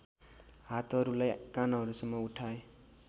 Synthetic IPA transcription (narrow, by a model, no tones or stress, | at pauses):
ɦat̪ɦʌɾulajkanɦʌɾusʌmːʌuʈʰae